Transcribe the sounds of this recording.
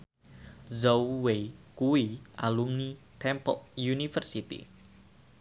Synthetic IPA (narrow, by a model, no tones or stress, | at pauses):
zowwekuwiʔalumnit̪ʰɛmpɔ̰k̚junifərsit̪ḭ